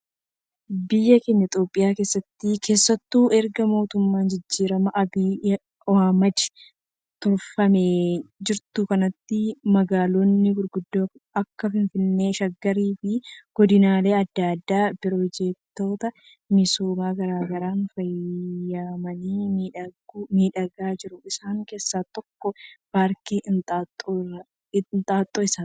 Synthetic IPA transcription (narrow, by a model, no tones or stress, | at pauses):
bɪjːɐkeɲːɐɪt̪ʼjo̞ːpʼːɪjaːke̞ːsːɐt̪ːɪkʰe̞ːsːɐt̪ːuːʔɛɾɡɐmo̞ːt̪ʊmːaːnd͡ʒɪd͡ʒːiːɾɐmɐʔɐbiː | ɔhaːmɐd̪ | t̪ɔɾfɐmed͡ʒɪɾt̪ʊkɐnɐt̪ːɪmɐɡaːloːnːɪɡʊɾɡʊd̪ːoːɐkːɐfɪnfɪnːe̞ːʃɐɡːɐɾiːfɪɡ̥ɔd̪ɪnaːle̞ːɐd̪ːad̪ːaːbɪɾoːd͡ʒeːt̪ːo̞ːt̪ɐ | mɪsoːmaːɡɐɾaːɡɐɾaːnfɐjaːmɐniːmːᶑɐɡmiːᶑɐɡaːd͡ʒɪɾʊɪsaːŋke̞ːsːaːt̪ɔkːɔb̥aːɾkiʔt̪ʼːt̪ʼː | nt̪ʼaːt̪ʼːoːɪsan